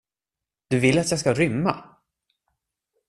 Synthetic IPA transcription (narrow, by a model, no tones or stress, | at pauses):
d̪̥ɵvɪlːat̪jɑːɡskaɾʏmːa